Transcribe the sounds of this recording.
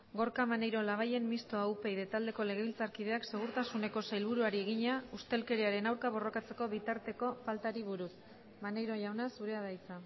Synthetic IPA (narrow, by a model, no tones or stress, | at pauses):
ɡo̞ɾkamanejɾo̞laβ̞aje̞mːist̪oaupe̞jðe̞t̪ald̪e̞ko̞le̞ɣ̞e̞βilt͡saɾkið̞e̞akse̞ɣ̞uɾt̪asune̞ko̞sajlβuɾuaɾie̞ɣ̞iɲaust̪e̞lke̞ɾiaɾe̞nawɾkaβ̞o̞ro̞kat͡se̞ko̞β̞it̪aɾt̪e̞ko̞falt̪aɾiβ̞uɾus | mane̞jɾo̞ʝawnasuɾe̞að̞ajt͡sa